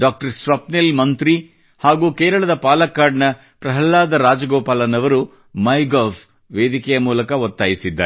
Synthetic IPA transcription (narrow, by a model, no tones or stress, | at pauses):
ɖaːk̚ʈɐɾsʋɐpnilmɐnt̪ɾi | haːɡuːkɛːɾɐɭɐd̪ɐpaːlɐkːaːɖnɐ | pɾɐɦɐlːaːd̪ɐɾaːd͡ʒɐɡɔːpaːlɐnɐʋɐɾu | mɐjɡaːb | ʋeːd̪ikɛjɐmuːlɐkɐɔt̪ːaːjisid̪ːa̰ːɾ